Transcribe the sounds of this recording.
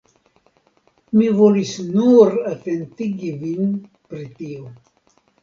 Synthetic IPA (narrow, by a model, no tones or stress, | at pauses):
mivolisnuɾatentiɡivin | pɾitio